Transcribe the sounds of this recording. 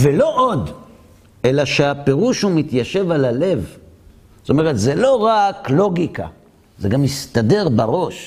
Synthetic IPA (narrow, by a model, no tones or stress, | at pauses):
velo̞ʔod | ʔelaʃeape̞ʁuʃhumit̪jaʃe̞valale̞v̥ | t̪ome̞ʁet̪zelo̞ʁaklo̞ɡika̰ | zeɡamist̪ade̞ʁbaʁo̞ʃ